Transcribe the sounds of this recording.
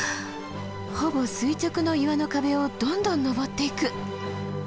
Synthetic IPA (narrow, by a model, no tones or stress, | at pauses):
ho̞bo̞sɨit͡ɕokɯ̟no̞iβano̞kabe̞o̞d̪õ̞nd̪õ̞nːo̞bo̞t̪ːe̞ikɯ̟